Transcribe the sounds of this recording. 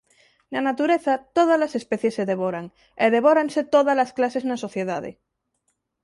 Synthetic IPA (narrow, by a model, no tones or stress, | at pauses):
nanat̪uɾeθat̪oð̞azlasespeθjesːeðeβ̞oɾaŋ | eðeβoɾanset̪oðalasklaseznaso̞θjeðaðḛ